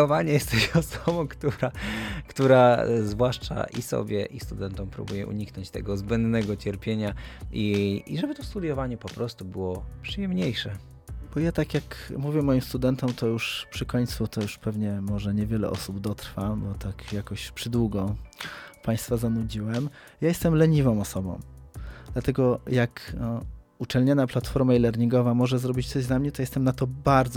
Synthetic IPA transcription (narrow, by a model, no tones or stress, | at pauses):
ɔvaɲɛjɛst̪ɛjɔsɔbɔ̃kt̪uɾakt̪uɾazvwaʂt͡ʂa̰ʔḭsɔ̰bʲjɛ̰ʔist̪ud̪ɛnt̪ɔmpɾṵbujɛʔṵɲiknɔɲt͡ɕt̪ɛ̰ɡɔzbɛnd̪nɛɡɔt͡ɕɛɾpʲjeɲaʔiiʐɛbɘt̪ɔst̪ud̪jɔvaɲɛpɔpɾɔst̪ubɘwɔpʂɨjɛmɲejʂɛ | b̥ɔjat̪akʲjakmuvʲjɛmɔjimst̪ud̪ɛnt̪ɔmt̪ɔjuʂpʂɘkɔɲʲt̪sut̪ɔjuʂpɛvɲɛmɔʐɛɲɛvʲjɛlɛ̰ʔɔ̰subd̪ɔt̪ɾfabɔt̪akjakɔɕpʂɘd̪wuɡɔ | paj̃st̪fazanud͡ʑiwɛm | jajɛst̪ɛmlɛɲivɔ̃w̃ɔsɔbɔ̰̃w̃d̪̥lat̪ɛɡɔjak | ut͡ʂɛlɲanaplat̪fɔɾmailɛɾɲiŋɡɔvamɔʐɛzɾɔbʲit͡ɕt̪sɔʑd̪lamɲɛt̪ɔjɛst̪ɛmnat̪ɔbaɾd̪z